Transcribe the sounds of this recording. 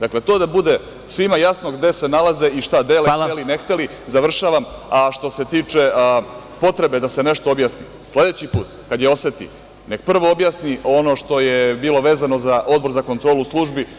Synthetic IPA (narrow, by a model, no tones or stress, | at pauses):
d̪akle̞t̪o̞ːd̪abud̪e̞ | sʋimajasno̞ɡd̪e̞se̞nalˠaze̞ʔiʃt̪ad̪eleeline̞xt̪eli | zaʋr̩ʃaʋamaʃt̪o̞se̞t̪iːt͡ʂe̞ | po̞t̪ɾe̞be̞d̪ase̞ne̞ʃt̪oobjasnḭ | slˠed̪e̞t͡ɕipuːt̪kad̪jeo̞sʋet̪ḭ | ne̞kpr̩ʋoobjasnio̞no̞ʃt̪o̞jebiːlo̞ʋe̞ːzano̞zaʔo̞d̪bo̞ɾzako̞nt̪ɾoːluslˠuʒbi